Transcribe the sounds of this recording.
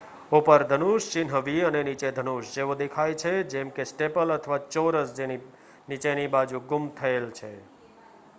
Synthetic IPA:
opəɾd̪ʱənuʃt͡ʃɪnɦəʋiənenit͡ʃed̪ʱənuʃd͡ʒeʋod̪ekʰajt͡ʃʰed͡ʒɛmkesʈepələt̪ʰəʋat͡ʃoɾəsd͡ʒeni | nit͡ʃenibad͡ʒuɡʊmt̪ʰəelt͡ʃʰe

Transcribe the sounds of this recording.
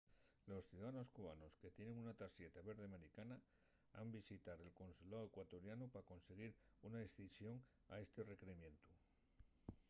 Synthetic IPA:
lo̞sθjuðaano̞skuβano̞ske̞t̪je̞ne̞ŋunat̪asje̞t̪aβe̞ɾð̞eameɾikana | a̰mbisit̪aɾe̞lko̞nsulaoekwat̪o̞ɾjanupako̞nse̞ɣ̞iɾunaesθisjo̞ŋ | a̰e̞st̪ere̞kɾeimjẽ̞nt̪u

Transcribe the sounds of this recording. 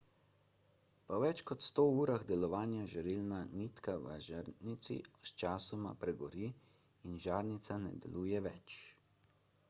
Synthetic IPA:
pɔʋɛt͡ʃkɔt̪st̪oːuːɾaɣd̪ɛlɔʋaːnjaʒɛɾilnanit̪kaʋə̰ʒaɾnit̪sḭst͡ʃaːsɔma̰pɾɛɡɔɾiː | inʒaːɾnit̪sanɛ̰d̪ɛ̰luːjɛʋɛt͡ʃ

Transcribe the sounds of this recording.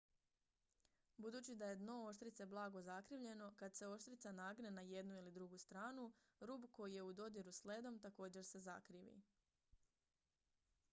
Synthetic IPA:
bud̪uːt͡ɕid̪aje̞d̪no̞oʃt̪ɾit̪se̞blˠaːɡo̞zakɾiːʋʎe̞no̞kad̪se̞o̞ʃt̪ɾit̪sanaːɡne̞naje̞d̪nuilid̪ɾuɡust̪ɾaːnuɾuːbko̞jije̞ud̪o̞d̪iɾusled̪o̞mt̪ako̞ːd͡ʑe̞ɾse̞za̰kɾiːʋḭ

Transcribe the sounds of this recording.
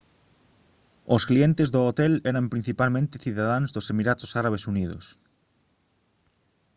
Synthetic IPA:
osklient̪ezðoot̪ɛlɛɾampɾin̟θipalmẽnt̪ɪθiðaðaŋzðosemiɾat̪o̥saɾaβ̞esuniðo̰s

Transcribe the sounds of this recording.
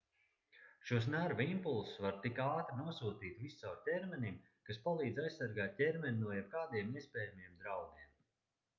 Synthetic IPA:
ʃuɔs̬næɾvimpulˠsvaɾt̪ikaːt̪ɾnuɔsuːt̪iːt̪vissawɾtʲɛɾmʲɛnʲim | kaspalˠiːd̪zʲajssaɾɡaːt̪̚cʲɛɾmɛnʲnuɔjɛb̚kaːd̪iɛmiɛspʲɛːjamiɛmd̪ɾawɡ̪iɛm

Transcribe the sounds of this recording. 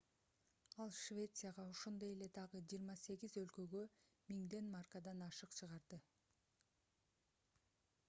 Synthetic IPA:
ɑlˠʃvʲe̞t̪sɨjaʁɑo̞ʃo̞nd̪oje̞le̞d̪ɑʁɯd͡ʒiːɾmɑse̞ɡizø̞lkø̞ɡø̞ | miŋd̪e̞nmarkad̪ɑnɑʃɯqt͡ʃʰɯʁɑɾd̪ɯ

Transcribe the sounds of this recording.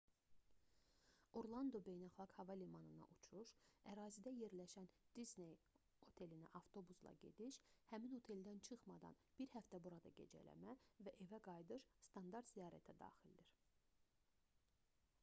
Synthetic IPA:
o̞ɾlˠɑnd̪o̞be̞jnɑlˠxɑɡ̥hɑvɑlimɑnɯnɑ̰ʔut͡ʃʰuʃæɾɑːzid̪æje̞ɾlæʃænd̪̥izne̞j | o̞t̪ʰe̞linæʔɑvt̪ʰo̞buslˠɑ̰ɟe̞̰d̪iʃhæmino̞t̪ʰe̞ld̪ænt͡ʃʰɯχmɑd̪ɑ̰nb̥iɾhæft̪æbuɾɑd̪ɑ̰ɟe̞̰d͡ʒæ̰læ̰mævæʔe̞væɡɑjd̪ɯɾst̪ʰɑnd̪ɑɾt̪z̥ijɑːɾæt̪ʰæd̪ɑ̰ːxild̪iɾ

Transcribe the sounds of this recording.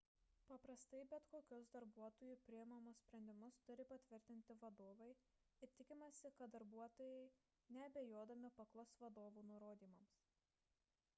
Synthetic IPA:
pɐpɾɐst̪ɐɪbʲɛt̪koːkʲʊsd̪ɐɾbuɔt̪oːjupʲɾʲɪjɛmɐmʊssʲpʲɾʲɛnʲd̪ʲɪmʊst̪ʊɾʲɪpɐt̪ʲʋʲɪɾʲt̪ʲɪnʲt̪ʲɪʋɐd̪oːʋɐɪ | ɪɾt̪ʲɪkʲɪmɐsʲɪkɐt̪̚d̪ɐɾbuɔt̪oːjɛɪ | nʲɛɐbʲɛjoːd̪ɐmʲɪpɐklˠosʋɐd̪oːʋuːnʊɾoːd̪ʲiːmɐms

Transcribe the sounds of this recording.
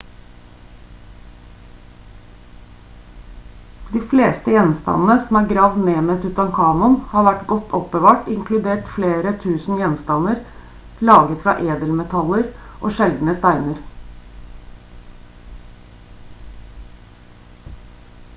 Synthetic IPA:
d̪iːfleːst̪əjɛnst̪ɑ̰nn̩əsɔmæːɾɡɾɑːʋd̪neːmet̪ʰʉt̪ɑnkʰɑːnʊnhɑːɾʋæʈɡɔt̪ːʰɔpbəʋɑːʈɪŋkʰlʉd̪eːʈfleːɾət̪ʰʉːsn̩jɛnst̪ɑnəɾ | lɑːɡət̪fɾɑ̰ːʔeːd̪əlmɛt̪ʰɑləɾʔo̰ːʃɛld̪n̩əst̪æɪnəɾ

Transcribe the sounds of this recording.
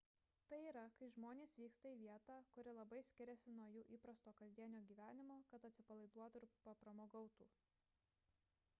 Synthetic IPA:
t̪ɐɪiːɾɐkɐɪʒmoːnʲeːsʋʲiːkst̪ɐiːʋʲiɛt̪ɑːkʊɾʲɪlˠɐbɐɪsʲkʲɪɾʲɛsʲɪnuɔjuːʔiːpɾɐst̪oːkɐzʲd̪ʲiɛnʲoːɡʲiːʋʲæːnʲɪmoːkɐt̪ɐt̪ʲsʲɪpɐlˠɐɪd̪uɔt̪ʊɪɾpɐpɾɐmoːɡɒʊt̪ṵː

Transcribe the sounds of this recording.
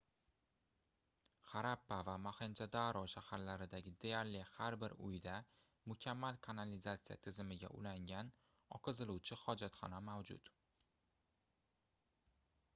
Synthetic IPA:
χaɾapːavamahend͡ʒad̪aɾɒʃahaɾlaɾɪd̪aɡʲɪd̪ejaɾlɪhaɾbɪɾʊ̰jd̪a | mʊkʲʰamːalkʰanalizat̪sija̰t̪ʰɪzɪmɪɡʲa̰ʔʊ̰laŋʲan | ɒqʰɨzɪluwt͡ʃʰɪχɒd͡ʒat̪χɒ̰namawd͡ʒʊ̰t̪

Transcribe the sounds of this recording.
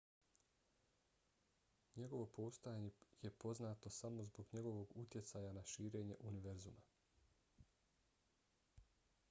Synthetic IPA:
ɲe̞ɡo̞ʋo̞pʰost̪ojaɲejepo̞znaːt̪o̞samo̞zbo̞ɡɲe̞ɡo̞ʋo̞ɡut̪je̞t̪saːjanaʃiːɾeːɲe̞̰ʔuniʋeɾzuma

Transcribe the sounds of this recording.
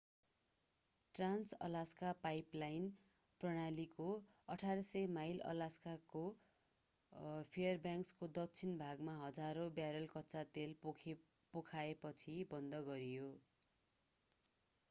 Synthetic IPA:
ʈransʌ̰laskapajplajn | prʌɽ̃aliko | ʌʈʰaɾʌsʌjmajlʌ̰laskako | pʰeʌrbjaŋkskod̪ʌkt͡sʰinbʱaɡmaɦʌd͡zaɾobjaɾʌlkʌtːt͡sat̪el | pokʰaepʌt͡sʰibʌnd̪ʌɡʌɾijo

